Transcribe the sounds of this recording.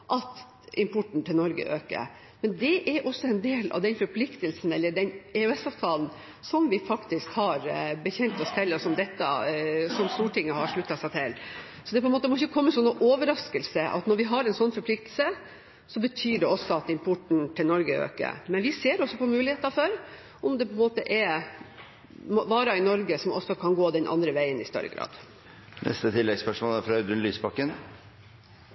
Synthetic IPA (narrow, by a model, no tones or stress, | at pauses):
ʔɑt̪ | ɪmpʰʊʈɳ̩t̪ʰɪlnɔɾɡə̰ʔøːkə̰ɾ | mɛnd̪ɛʔæɾʔɔsːɔɛnd̪eːlɑ̰ʋd̪ɛnfɔɾpʰlɪkt̪əlsn̩ɛlːəɖɛnɛʉɛsɑʋt̪ʰɑːln | sɔmʋɪfɑkt̪ɪskhɑɾbəçɛnt̪ɔst̪ʰɛlːɔsɔmd̪ɛt̪ːə̰sɔmst̪uːʈʰɪŋːəhɑɾʂɭʉt̪ːɑsæɪt̪ʰɪl | sɔd̪ɛpʰɔɛnmoːt̪əmɔɪçːəkʰɔmːəsɔnːɔʔoːʋəɾɑskəlsəʔɑ̰t̪nɔɾʋɪɦɑɾɛnsɔnːfɔɾpʰlɪk̚t̪lsə | sɔbət̪ʰyːɖɛɔsɔɑt̪ɪmpʰʊʈɳ̩t̪ʰɪlnɔɾɡəø̰ːkə̰ɾmɛnʋɪseːɾɔsːɔpɔmʉːlɪeːt̪ɑɾfɔɾ | ɔmd̪ɛpʰɔɛnmoːt̪əʔɛ | mɔʋɑːɾɑɪnɔɾɡəsɔmʔɔsːɔkʰɑnɡoːd̪ɛnʔɑ̰nd̪ɾəʋæɪənɪst̪œ̰ɾːə̰ɡɾɑ̰ːd̪̥ | nʔɛ̰st̪ət̪ʰɪlːɛɡspœʂmoːlæfɾɑd̪ʉnlyːspɑkːən